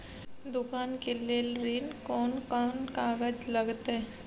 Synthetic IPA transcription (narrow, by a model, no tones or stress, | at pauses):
d̪ʊkaːnkeleːlɾiːnkɔːnkaːnkaːɡəd͡ʒlɐɡt̪ɦɛ